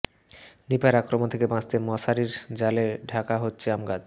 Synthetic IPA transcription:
nipaeɾakɾomont̪ʰekebãd͡ʑt̪emɔʃaɾiɾd͡ʑaleɖʱakaɦotːɕʰeamɡad̪

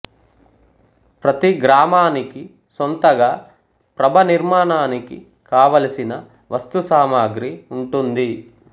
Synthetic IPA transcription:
pɾɐt̪iɡɾaːmaːniki | sont̪ɐɡaː | pɾɐbʱɐniɾmaːɳaːnikḭ | kaːʋɐlɐsinɐ | ʋɐst̪usaːmaːɡɾiuɳʈund̪i

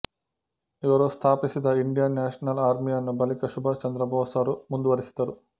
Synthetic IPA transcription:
iʋɐɾust̪ʰaːpisid̪ɐiɳɖijɐnːaːʂɐnɐlaːɾmijɐnːubɐlikɐʃubʱɐt͡ʃɐnd̪ɾɐbʱɐːsɐɾumund̪uʋɐɾisid̪ɐɾu

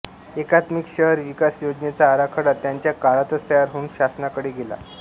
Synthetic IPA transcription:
ekat̪mikɕəɦəɾʋikasjod͡ʑnet͡saːɾakʰəɽat̪ːjaɲt͡ɕjakaɭat̪ət͡st̪əjaɾɦoːnɕasnakəɽeɡʱela̰

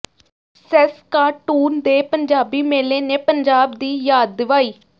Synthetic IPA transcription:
sɛskaːʈuːnd̪eːpəɲd͡ʒaːbiːmeːleːneːpəɲd͡ʒaːbd̪iːjaːd̪̚ːɪʋaːiː

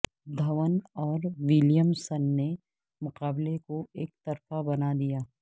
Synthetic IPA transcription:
d̪ʱɐʋənɔːɾwɪljəmsənːe | mʊqaːblekoeːkt̪ɐɾfabɐnad̪ijaː

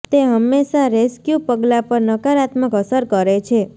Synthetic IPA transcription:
t̪eɦəmːeʃaɾeskjupəɡlapəɾnəkaɾat̪məkəsəɾkəɾet͡ʃʰe

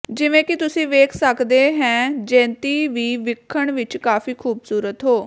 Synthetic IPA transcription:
d͡ʒɪʋẽːkɪt̪ʊsĩːʋeːkʰsəkd̪eːɦɛ̃ːd͡ʒɛ̃ːnt̪iːʋiːʋɪkʰːəɳʋɪt͡ʃkaːfiːkʰuːbsuːɾət̪ɦoː

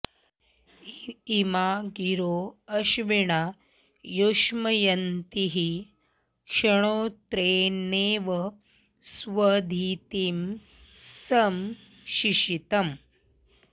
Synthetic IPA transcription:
imaːɡiɾoːɐʃʋiɳaː | joʃmɐjɐnt̪iɦi | kʂɐɳ̃oːt̪ɾeːneːʋɐ | sʋɐd̪ʱiːt̪im | sɐm | ʃiʃit̪ɐm

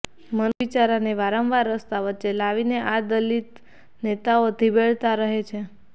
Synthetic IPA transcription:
mənʋit͡ʃaɾaneʋaɾə̃mʋaɾːəst̪aʋətːt͡ʃelaʋineʔad̪əlit̪ | net̪aod̪ʱibeɭt̪aɾəɦet͡ʃʰe

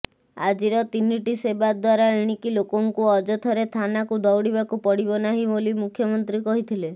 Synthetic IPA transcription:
a̰d͡ʒiɾɔt̪iniʈisebad̪waɾaiɽ̃ikilokɔŋkuɔd͡ʒɔt̪ʰɔɾet̪ʰanakud̪ɔwɽibakupɔɽibɔnaɦibolimukʰːjɔmɔnt̪ɾikɔɦit̪ʰile

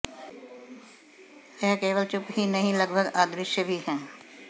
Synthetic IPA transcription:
ɛːkeːʋəlt͡ʃʊpɦinɐɦĩlɐɡbʱəɡaːd̪ɾɪʃjəbʱiɦɛ̃ː

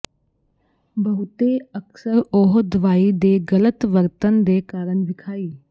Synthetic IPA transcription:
bəɦʊt̪eːəksəɾoɦd̪əʋaːiːd̪eːɡələt̪ʋəɾt̪ənd̪eːkaːɾəɳʋɪkʰaːiː

